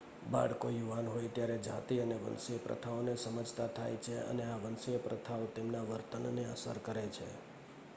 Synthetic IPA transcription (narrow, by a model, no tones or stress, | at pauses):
ba̰ɽkojuʋanɦojt̪jaɾed͡ʒʱa̰t̪iəneʋə̰nseəpɾə̰t̪ʰaonesəməd͡ʒʱt̪at̪ʰajt͡ʃʰeə̰neaʋənseəpɾət̪ʰaot̪emnaʋəɾt̪ənːeəsə̰ɾkəɾet͡ʃʰḛ